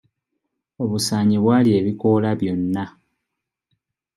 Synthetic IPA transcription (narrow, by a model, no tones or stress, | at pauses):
o̞βusaːɲiβwaːlie̞βiko̞laβjo̞nːa